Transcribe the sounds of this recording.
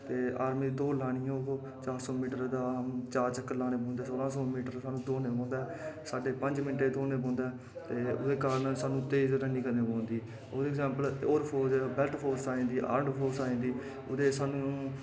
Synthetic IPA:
t̪eːaːɾmiːd̪d̪oːlaːɽ̃ɪjõː | t͡ʃaːɾsoːmiːʈəɾd̪aːt͡ʃaːɾt͡ʃəkːəɾlaːñẽːbõːnd̪eɛːsoːlãːsoːmiːʈəɾsaːnũːd̪oːneːɔ̃ːnd̪ɛːsaːɖeːpəɲd͡ʒmɪɳʈeːd̪oːneːpõːnd̪ɛː | t̪eːʊd̪eːkaːɾənsaːnũːt̪eːzɾəniːkəɾnẽːbõːnd̪iː | oːdːɡzɛ̃ːmpəloːɾpʰoːɾd͡ʒbɛlʈpʰoːɾsaːẽːd̪iːʔa̰ːɾəɳɖpʰoːɾsaːẽːnd̪iː | ʊd̪eːsaːnũː

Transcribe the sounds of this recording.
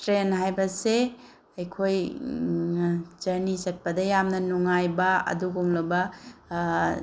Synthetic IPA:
tɾenɦajbɐse | ɐjkʰoj | d͡ʒɐɾnisɐt̚pɐdɐjamnɐnuŋajbɐɐ̰duɡumlɐbɐ

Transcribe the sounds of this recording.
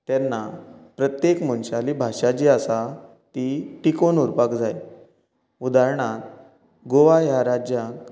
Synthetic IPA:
t̪jɛnːapɾət̪jekmənɕalibʱaʂat͡ɕiːasa | t̪iʈikonuɾpakd͡zaj | ud̪aɾɳat̪ | ɡoʋajaɾad͡ʑjãk

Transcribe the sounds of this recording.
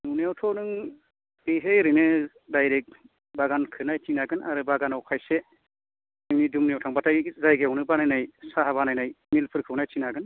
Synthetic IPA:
nunwtʰɔnɯŋ | beɦejɾɯnɯ | dajɾek̚ | baɡankʰɯnajtʰinaɡɯnʔa̰ɾɯbaɡanawkʰajse | nɯŋnidumneawtʰaŋbatʰajzajɡewnɯbanajnajsaɦaβanajnaj | milpʰɯɾkʰɯwnajtʰinaɡɯn

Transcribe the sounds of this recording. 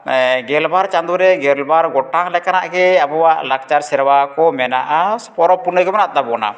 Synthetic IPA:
ɡɛlbaɾt͡ʃand̪uɾɛɡɛlbaɾɡɔʈaŋlɛkanaʔɡɛabɔwaʔlak̚t͡ʃaɾsɛɾwakɔmɛnaʔaspɔɾɔpːunəɡɛmanat̪̚t̪abɔna̰

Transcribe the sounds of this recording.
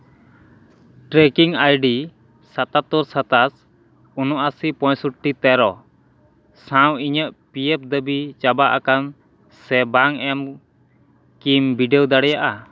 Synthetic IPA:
ʈɾɛkiŋajɖi | sat̪at̪ɔɾsat̪as | unɔʔasipɔ̃jsuʈʈit̪ɛɾɔ | sãwiɲəʔpijɛp̚d̪əbit͡ʃabaʔakan | sɛbaŋɛm | kimbiɖɛwd̪aɽɛjaʔa

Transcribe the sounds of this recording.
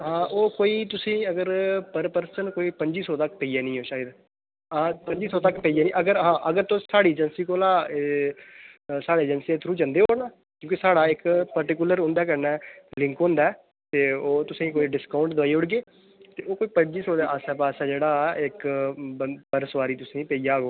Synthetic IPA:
ɦãːʔoːkoːiːt̪ʊsĩːəɡəɾpəɾpəɾsənkoːiːpəɲd͡ʒiːsɔːt̪əkpəijɛːnĩːoːʃaːəd̪ | apəɲd͡ʒiːsɔːt̪əkpəiːɛːnĩːʔəɡəɾɦãːʔəɡəɾt̪õːsaːɽiːed͡ʒənsiːkoːlaː | saːɽeːd͡ʒənset̪ʰɾuːd͡ʒə̃nd̪eːɦonaː | kjõːkisaːɽaːɪkpəɾʈikʊləɾɦʊ̃nd̪aːk̬əɾnɛːlɪ̃ŋkɦõnd̪aːɛː | t̪eːoːt̪ʊsĩːkoːiɖɪskaːʊ̃ɳʈd̪ʊaːiːʊɽɡeː | t̪eːoːkoːiːpəɲd͡ʒiːsɔːd̪eʔaːsɛ̃ːpaːsɛːd͡ʒeːɽaːɪkəpəɾsʋaːɾiːt̪ʊsĩːpəiːaːɡoː

